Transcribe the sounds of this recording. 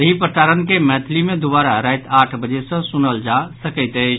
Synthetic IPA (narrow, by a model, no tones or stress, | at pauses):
əɦipəʈaɾənkemɛt̪ʰlimed̪ubaɾaɾajt̪aʈʰbəd͡ʒesə̃sunəld͡ʒasəkəɪt̪ət͡ʃʰ